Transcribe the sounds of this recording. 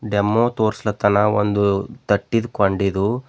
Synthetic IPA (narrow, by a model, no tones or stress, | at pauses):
ɖemːoːt̪oːɾslɐt̪ɐnɐo̰nd̪ut̪ɐʈːid̪ukoɳɖid̪u